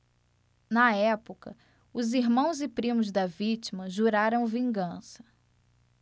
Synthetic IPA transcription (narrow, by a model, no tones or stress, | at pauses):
nɐɛpokɐ̰ | ʊziɦmɐ̃w̃zɪpɾĩmʊzd̪ɐvit͡ʃimɐʒuɾaɾɐ̃w̃vĩŋɡɐ̃sɐ̥